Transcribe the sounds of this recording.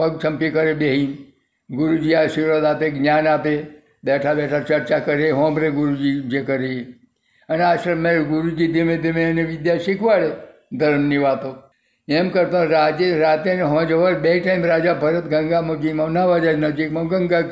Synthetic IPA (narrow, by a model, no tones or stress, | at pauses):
pəɡ̚t͡ʃʰɐmpikəɾebeɦin | ɡʊɾud͡ʒiasiɾəd̪aːpeɡnʲaːnaːpe | bɛʈʰabɛʈʰaɾt͡ʃəɾt͡ʃakəɾeɦɔ̃ːbɾeɡʊɾud͡ʒid͡ʒekəɾe | əneaːʃmẽɡʊɾud͡ʒid̪emẽd̪emẽəneʋɪd̪jaʃikʰʋaɽe | d̪ʱəɾmniʋaːt̪o | emkəɾt̪õɾaːd͡ʒeɾaːt̪eneɦɔ̃ːd͡ʒəʋəɾbeiʈaimɾaːd͡ʒabʱəɾət̪ɡə̃ŋɡamod͡ʒimãʋnaʋad͡ʒaːd͡ʒnɐd͡ʒikmɐ̃ɡəŋɡa